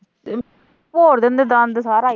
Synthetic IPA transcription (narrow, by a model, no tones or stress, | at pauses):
poːɾðend̪ɯd̪ãːnd̪ɯsaːɾãː